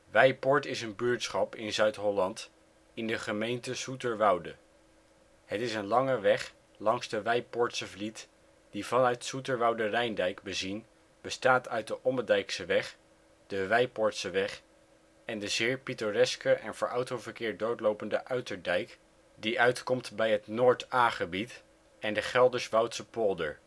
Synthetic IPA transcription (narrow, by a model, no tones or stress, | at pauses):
ʋɛjpɔɹtɪsənbyːɹtsχɑpɪnzœɥtɦɔlɑnt | ɪndəχəmejntəsutəɹʋɑwdə | hətɪsənlɑŋəʋɛχ | lɑŋzdəʋɛjpɔɹtsəvlit | d̥ivɑnœɥtsutəɹʋɑwdərɛjndɛjkbəzin | b̥əstaːtœɥt̚dəʔɔmədɛjksəʋɛχ | d̥əʋɛjpɔɹtsəʋɛχ | ɛndəzɪːɹpitorɛskəʔɛnvəːɹʔɑwtowvəɹkɪːɹ̚dowtlowpəndəʔœɥtəɹdɛjk | diʔœɥtkɔmtbɛjɦətnʊːɹtaːχəbit | ɛndəχɛlˠdəɹsʋɑwtsəpɔlˠdə̰ɹ